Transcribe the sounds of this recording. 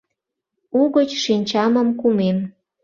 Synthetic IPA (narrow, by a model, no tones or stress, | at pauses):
uɣət͡ɕʃinʲt͡ɕɑməmkumem